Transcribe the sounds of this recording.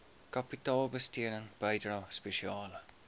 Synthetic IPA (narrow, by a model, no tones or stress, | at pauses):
kɐpitɑːlˠbəstiədəŋb̥ɐjdrɐspeʃiɑːlə